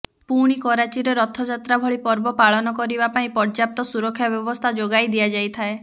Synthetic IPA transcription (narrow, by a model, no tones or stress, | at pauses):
puɽ̃ikɔɾat͡ʃiɾeɾɔt̪ʰːɔd͡ʒat̪ɾabʱɔɭipɔɾbɔpaɭɔnɔkɔɾibapaĩpɔɾd͡ʒap̚t̪ɔsuɾɔkʰːjabjɔbɔst̪ʰad͡ʒoɡajd̪ijad͡ʒajt̪ʰae